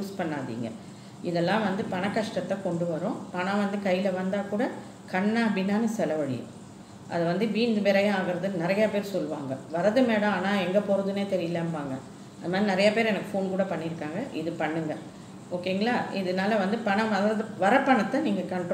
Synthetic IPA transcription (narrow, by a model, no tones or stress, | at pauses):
uspɐɳːaːðḭːŋɡɐ̰ | ɪðɛlːãːʋɐnd̪ɯpɐɳɐkːɐʂʈɐt̪ːɐkɔɳɖɯʋɐɾõːpɐɳãʋɐnd̪ɯkɐjːɪlɐʋɐnd̪aːkuːɽɐ | kɐɳːabɪnːaːnɯsɛlɐʋɐɽɪ̰jɯ̰̃ | ʔɐ̰ðɐʋɐnd̪ɯbiːnd̪ɯbɛɾɐjɐ̃aːɣɪɾɐðɯnnɪɾɐjaːpeːɾsɔlːɯʋa̰ːŋɡɐʋɐɾɐðɯmeːɽɐ̃aːnãːɛŋɡɐpɔɾɯðɯneːt̪ɛɾɪjlːaːmʋaːŋɡɐ | ɐðɯmaːðɾinɪɾɐjapeːɾɛnɐkːɯfoːnkuːɽɐpɐɳːɪɾɯkːaːŋɡɐʔɪðɯpɐɳːɯŋɡɐ | oːkːeːŋɡɐlaːɪðɯnaːlɐʋɐnd̪ɯpɐɳɐ̃ʋɐɾɐðɯʋɐɾɐpːɐɳɐt̪ːɐniːŋɡɐkɐɳɖõ